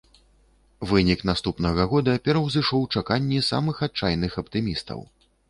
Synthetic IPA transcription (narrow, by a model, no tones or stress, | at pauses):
vɨnʲiknast̪upnɐɣɐɣɔd̪ɐpʲɛɾɐwzɨʂɔwt͡ʂakanʲːɛsa̰mɨxat̪̚t͡ʂajnɨxɐpt̪ɨmʲist̪ɐ̰w